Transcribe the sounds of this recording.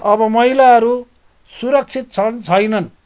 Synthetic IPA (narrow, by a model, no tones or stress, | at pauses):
ʌbʌmʌɦilaɦʌɾu | suɾʌk̚t͡sʰit̪̚t͡sʰʌnt͡sʰʌjnʌn